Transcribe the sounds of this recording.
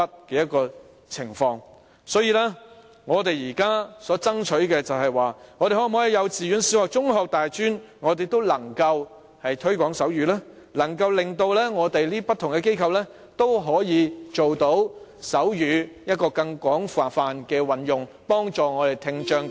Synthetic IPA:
ɐ˥t̚kɛː˧jɐ˥t̚kɔː˧ | t͡sʰɪ˨˩ŋfɔː˧ŋ | sɔː˨˥jiː˧laː˥ | ŋɔː˨˧t̪e˨jiː˨˩kaː˥sɔː˨˥t͡sɐ˥ŋt͡ʃʰɵ˨˥ɥkɛː˧t͡sɐ˨whɐ˨jwaː˨˩ŋɔː˨˧t̪e˨jhɔː˨˥˨mhɔː˨˥jiː˨˧jɐ˨˧wt͡siː˨ɥyː˨˧˥nsiː˧˥whɔː˨˩k̚t͡sʊ˥ŋɦɔː˧k̚t̪aː˨jt͡ʃyː˥nŋɔː˨˧t̪e˨jt̪o˥wlɐ˨˩ŋkɐ˧w | hɐ˨jt̪ʰɵ˥ɥkʷɔː˨˥ŋsɐ˨˥wjyː˨˥laː˥ | lɐ˨˩ŋkɐ˧wlɪ˨ŋt̪o˧wlɛː˥ŋɔː˨˧t̪e˨jliː˥pɐ˥t̪ʰːʊ˨˩ŋkɛ˧k̬e˥jkʰɐ˨˧wlɛː˥ | t̪o˥wɦɔː˨˥jiː˨˧t͡ʃo˨wt̪o˨˥wsɐ˨˥wjyː˨˧jɐ˥t̚kɔː˧kɐ˧ŋkʷɔː˨˥ŋfaː˨˩faː˨nkɛː˧wɐ˨njʊ˨ŋ | pɔː˥ŋt͡ʃɔː˨ŋɔː˨˧t̪e˨jt̪ʰɪ˧ŋt͡ʃœː˧ŋ

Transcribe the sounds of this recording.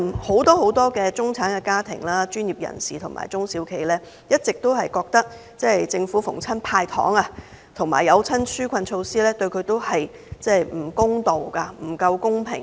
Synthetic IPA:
ho˨˥wt̪ɔː˥ho˨˥wt̪ɔː˥kɛː˧t͡sʊ˥ŋt͡sʰaː˨˥nkɛ˧kaː˥t̪ʰɪ˨˩ŋlaː˥t͡ʃyː˥njiː˨˩p̚jɐ̰˨˩nsiː˨t̪ʰʊ˨˩ŋma̰ː˨˩jt͡sʊ˥ŋsiː˨˥wkʰe˨˩jlɛː˥ | jɐ˥t̚t͡sɪ˨k̚t̪o˥wɦɐ˨jkɔː˧k̚t̪ɐ˥k̚ | t͡sɛː˥˨jt͡sɪ˧ŋfu˨˥fʊ̰˨˩ŋt͡sʰɐ˥npʰaː˧jt̪ʰɔ̰ː˨˥ŋɐ˧ | t̪ʰʊ˨˩ŋma̰ː˨˩jɐ˨˧wt͡sʰɐ˥nsyː˥kʷʰɐ˧nt͡ʃʰo˧wsiː˥lɛː˥t̪ɵ˧ɥkʰɵ˨˧ɥt̪o˥whɐ˨j | t͡sɛː˥˩jm̩˨˩kʊ˥ŋt̪o˨wkɐ˧m̩˨˩kɐ˧wkʊ˥ŋpʰɪ̰˨˩ŋ

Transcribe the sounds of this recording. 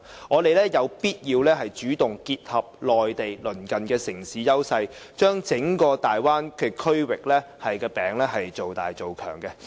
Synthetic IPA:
ŋɔː˨˧t̪e˨jlɛː˥jɐ˨˧wpiː˥t̚jiː˧wlɛː˥ɦɐ˨jt͡ʃyː˨˥t̪ʊ˨ŋkiː˧t̚hɐ˨p̚lɔː˨jt̪e˨jlɵ˨˩nkɐ˨nkɛː˧sɪ˨˩ŋsiː˨˥jɐ˥wsɐ˧jt͡ʃœː˥ŋt͡sɪ˨˥ŋkɔː˧t̪aː˨jwaː˥nkʰe˨˧kʰɵ˥ɥwɪ˨k̚lɛː˥hɐ˨jkɛː˧pɛː˨ŋlɛː˥ɦɐ˨jt͡so˨wt̪a̰ː˨jt͡so˨wkʰœ̰ː˨˩ŋkɛ˧

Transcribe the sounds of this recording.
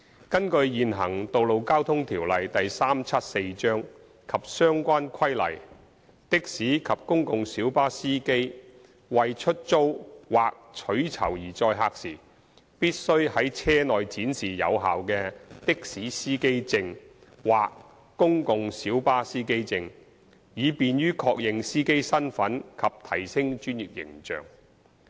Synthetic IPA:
kɐ˥nkɵ˧ɥjiː˨nɦɐ˨˩ŋt̪o˨wlo˨wkaː˥wt̪ʰʊ˥ŋt̪ʰiː˨˩wlɐ˨jt̪ɐ˨jsaː˥mt͡sʰɐ˥t̚se˧jt͡ʃœː˥ŋ | kʰɐ˨p̚sœː˥ŋkʷaː˥nkʰɐ˥jlɐ̰˨˩j | t̪ɪ˥k̚siː˨˥kʰɐ˨p̚kʊ˥ŋkʊ˨ŋsiː˨˥wpaː˥siː˥ke˥j | wɐ˨jt͡ʃʰɵ˥t̚t͡so˥wwaː˨k̚t͡ʃʰɵ˨˥ɥt͡sʰɐ̰˨˩wjiː˨˩t͡sɔː˧jɦaː˧k̚sḭː˨˩ | piː˥t̚sɵ˥ɥhɐ˨˥jt͡sʰɛː˥nɔː˨jt͡siː˨˥nsiː˨˩jɐ̰˨˧wɦaː˨wkɛː˧t̪ɪ˥k̚siː˨˥siː˥ke˥jt͡sɪ˧ŋ | waː˨kː | ʊ˥ŋkʊ˨˧ŋsiː˨˥wpaː˥siː˥ke˥jt͡sɪ˧ŋ | jiː˨˧piː˨˧njyː˥kʰɔː˧k̚jɪ˨˧ŋsiː˥ke˥jsɐ˥nfɐ˨˥nkʰɐ˨p̚t̪ʰɐ˨˩jsɪ˥ŋt͡ʃyː˥nji˨k̚jɪ̰˨˩ŋt͡ʃœ̰ː˨ŋ

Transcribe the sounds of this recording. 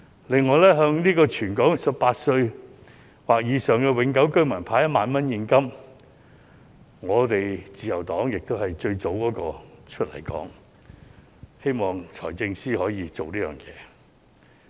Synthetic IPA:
lɪ˨ŋːɔː˨˧jlɛː˥ɦœː˧ŋniː˥kɔː˧t͡ʃʰyː˨˩nkɔː˨˥ŋsɐ˨p̚pːaː˧t̚sɵ˧ɥ | waː˨k̚jiː˨˧sœː˨ŋkɛ˧wɪ˨˧˥ŋkɐ˨˥wkɵ˥ɥmɐ˨˩npʰaː˨˧jɐ˥maː˨nmɐ˥njiː˧nkɐ˥m | ŋɔː˨˧t̪e˨jt͡siː˨jɐ˨˩wt̪ɔː˨˥ŋjɪ˨k̚t̪o˥whɐ˨jt͡ʃɵ˧ɥt͡so˨˥wkɔː˨˥kɔː˧t͡ʃʰɵ˥t̚lɐ̰˨˩jkɔ̰ː˨˥ŋ | he˥jmɔː˨˩ŋt͡ʃʰɔ̰ː˨˩jt͡sɪ˧ŋsiː˥hɔː˨˥jiː˨˧t͡so˨wliː˥jœː˨˩ŋjɛ̰ː˨˧

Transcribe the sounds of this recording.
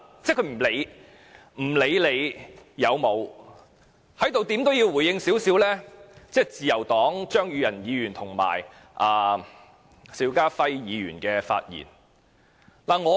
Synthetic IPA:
t͡sɛː˥˩kʰɵ˧m̩˨˩le˨˧j | m̩˨˩le˨˧jle˨˧jjɐ˨˧wmo˨˧w | hɐ˨˥jt̪o˨wt̪i˨˥mt̪o˥wjiː˧wu˨˩jjɪ˧ŋsiː˨˥wsiː˨˥wlɛː˥t͡sɛː˥˩t͡siː˨˧jɐ˨˩wt̪ɔː˨˥ŋt͡ʃœː˥ŋjyː˨˧jɐ˨˩njiː˨˧jyː˨˩nt̪ʰʊ˨˩ŋma̰ː˨˩j | ʔaː˨ | siː˨˥wkaː˥fɐ˧jjiː˨˧ɥy̰ː˨˩nkɛː˧fa̰ː˧t̚jḭː˨˩n | laː˨˩ŋɔː˨˧

